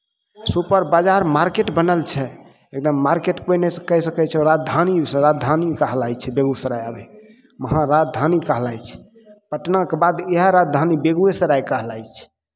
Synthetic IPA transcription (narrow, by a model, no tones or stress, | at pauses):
supəɾbad͡ʒaɾmaɾkeʈbənəlt͡ʃʰɛ | ek̚d̪əmːaɾkeʈkojnesəkəɦsəkɛt͡ʃʰɛɾad̪ʱanisɾad̪ʱanikəɦlajt͡ʃʰɛbeɡusəɾajabɛ | məɦãɾad͡ʒd̪ʱanikəɦlajt͡ʃʰɛ̥ | pəʈnakebad̪eɦaɾad͡ʒ̪d̪ʱanibeɡuesəɾajkəɦlajt͡ʃʰ